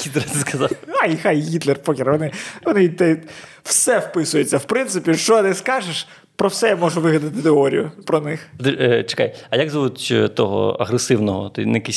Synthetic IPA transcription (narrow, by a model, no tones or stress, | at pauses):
it̪ɾt̪ɪskɐzɑwxajxajɣʲit̪lˠerpɔkʲɪɾʋɔnɪʋɔnɪt̪ɛ | w̥sɛwpɪsʊjet͡sʲːɐwpɾɪnt̪sɪpʲiʃt͡ʃɔnɪskɑʒeʃ | pɾɔwsɛjamɔʒʊʋɪɦlʲɐd̪ɐt̪ɪt̪eɔɾʲḭjʊpɾɔnɪxd̪ɪt͡ʃɪ̥ka̰jɐjakzɐʋutʲt̪ɔɦɔ̰ɐ̰ɣɾesɪwnɔɦɔ̰t̪ɔ̰nɛjɐkɛsʲ